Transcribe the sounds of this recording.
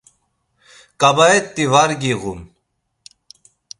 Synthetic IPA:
kɐbaet̪ːiʋaɾɡiɣum

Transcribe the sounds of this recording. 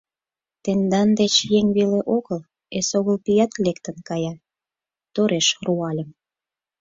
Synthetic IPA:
t̪end̪ɑnd̪et͡ɕjeŋβileʔoɣəl | esoɣəlpijɑt̪lekt̪ənkɑjɑ | t̪oɾeʃruɑlʲəm

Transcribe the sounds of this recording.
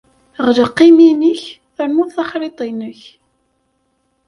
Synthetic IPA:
ʁʒəqːiminiç | θəɾnuθɑχɾˤet̪ˤinəç

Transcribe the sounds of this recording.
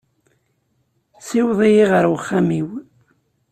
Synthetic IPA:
siwðˤijiʁəɾwəχːamiw

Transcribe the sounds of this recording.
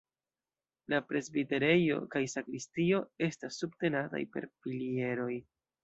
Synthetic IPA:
lapɾe̞zbite̞ɾe̞jo̞̰kajsakɾistio̞e̞stasːub̚te̞nata̰jpe̞̰ɾfilie̞ɾo̞j

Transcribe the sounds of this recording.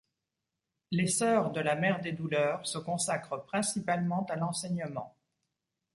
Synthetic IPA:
lesœʁd̪əlamɛʁd̪ed̪ulœːʁsəkɔ̃sakχəpχɛ̃sipalmɑ̃t̪alɑ̃sɛɲəmɑ̰̃

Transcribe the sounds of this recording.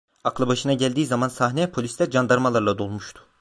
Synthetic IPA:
aklˠɯbaʃɯnaɟælʲd̪iːzamansaɦnɛpʰo̞lʲislʲæɾd͡ʒand̪aɾmalˠaɾlˠad̪o̞lˠmuʃt̪ʰʊ̥

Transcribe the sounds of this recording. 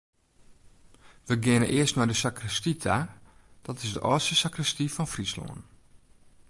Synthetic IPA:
ʋəɡɪənənʔɪəstnɔjdəsakrəstitʰad̥ɔtɪsdəʔɔːsəsakrəstifɔnfrislo̰ən

